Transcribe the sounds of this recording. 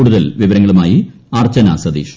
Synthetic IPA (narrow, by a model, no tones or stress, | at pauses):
uːɽuðɐlʋiʋɐɾɐŋːɐɭumaːjiaːrt͡ɕɐnɐsɐd̪iːʂ